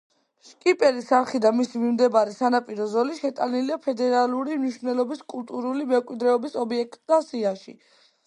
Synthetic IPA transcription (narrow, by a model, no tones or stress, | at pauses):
ʃkʼipʼɛlisaɾχid̪amisimimd̪ɛbaɾɛsanapʼiɾɔzɔliʃɛt̪ʼaniliapʰɛd̪ɛɾalˠuɾimniʃvnɛlɔbiskʼulˠt̪ʼuɾulimɛkʼwid̪ɾɛɔbisɔbiɛk̚t̪ʼd̪asiaʃḭ